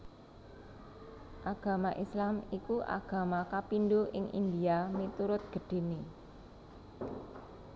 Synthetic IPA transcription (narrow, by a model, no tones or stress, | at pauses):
ʔaɡ̥ä̤maʔislamikuʔa̰ɡ̥ä̤makapinɖoʔɪ̰ŋʔḭnd̪iamit̪uɾʊt̪̚ɡ̥ə̤ɖ̪̥e̤ni